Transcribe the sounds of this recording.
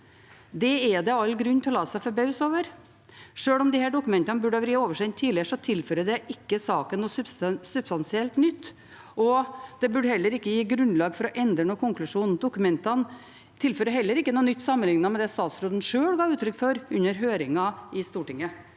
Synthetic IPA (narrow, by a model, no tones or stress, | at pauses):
d̪ɛɛd̪ɛɑlːɡɾʉnːt̪ʰɪlɔlɑːsæɪfɔɾbœʉsoːʋəɾ | ʂøːɭɔmd̪ɪhæːɖʊkʉmɛnt̪ɑnəbʉɖəɑʋɾiːoːʋəʂɛnt̪ʰːiːlɪəʂɔt̪ʰɪlføːɾəd̪ɛʔɪkːəsɑːkənːusbssʉbst̪ɑnsɪɛlt̪nʏt̪ː | ʔɔd̪̥ɛbʉɖhɛlːəɾɪkːəjiːɡɾʉnlɑːɡfɔɾɔʔɛnd̪ɾəɳuːkʰʊŋklʉʂuːnd̪ʊkʉmɛnt̪ɑn | t̪ʰɪlføːɾəɦɛlːəɾɪkːənuːnʏt̪ːsɑmːənlɪŋnɑmɛd̪ɛst̪ɑːt̪sɾoːd̪n̩ʂøːɽɡɑːʉːt̪ʰɾʏkːfɔɾʉnːəɾɦøːɾɪŋɑɪst̪uːʈɪŋːə